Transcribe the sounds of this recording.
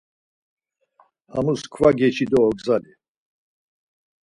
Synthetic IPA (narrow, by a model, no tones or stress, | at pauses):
amuskʰvaɡɛt͡ʃʰid̪ɔːɡzali